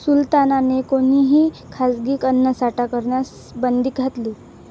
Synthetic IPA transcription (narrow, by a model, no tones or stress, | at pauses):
sult̪ananekoniɦiː | kʰasɡiːkənːəsaʈakəɾɳjas | bənd̪ʱiːkɡʱat̪liː